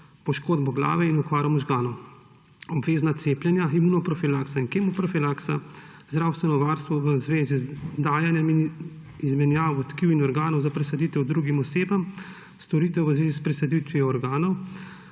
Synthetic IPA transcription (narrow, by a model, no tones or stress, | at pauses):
pɔʃkoːd̪bɔɡla̰ːʋɛinɔkʋaːɾɔmɔʒɡaːnɔw | ɔbʋeːznat̪seːpljɛnjaimunɔpɾɔfilaksainkemɔpɾɔfilaksa̰zd̪ɾaːwst̪ʋɛnɔʋaːɾst̪ʋɔʋəzʋeːzizd̪aːjanjɛmin | izmɛnjaːwɔt̪kiwinɔɾɡaːnɔwzapɾɛsad̪it̪ɛwd̪ɾuɡimɔseːbɐm | st̪ɔɾiːt̪ɛwʋəzʋeːzispɾɛsad̪it̪ʋiɔɔɾɡaːnɔw